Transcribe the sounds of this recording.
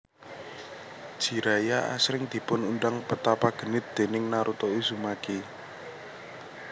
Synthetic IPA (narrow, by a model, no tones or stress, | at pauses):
d̥ʒ̥i̤ɾajaʔa̰sɾɪŋd̪̥i̤pʊnund̪aŋpət̪apaɡ̥ə̤nɪt̪̚d̪̥e̤nɪŋnaɾʔut̪ouz̥umaki